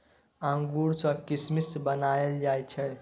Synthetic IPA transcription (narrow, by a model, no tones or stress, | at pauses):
ə̃ŋɡuɾsə̃kismist̪bənaeld͡ʒajt͡ʃʰɛ